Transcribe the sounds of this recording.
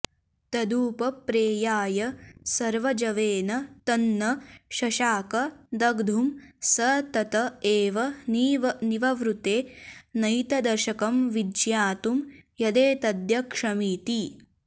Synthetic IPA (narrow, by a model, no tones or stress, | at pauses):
t̪ɐd̪uːpɐpɾeːjaːjɐsɐɾʋɐd͡ʒɐʋeːnɐt̪ɐnːɐʃɐʃaːkɐd̪ɐɡd̪ʱumsɐt̪ɐt̪ɐeːʋɐniʋɐniʋɐʋɾut̪eːnɐjt̪ɐd̪ɐɾʃɐkɐmʋidjaːt̪umjɐd̪eːt̪ɐd̪jɐkʂɐmiːt̪i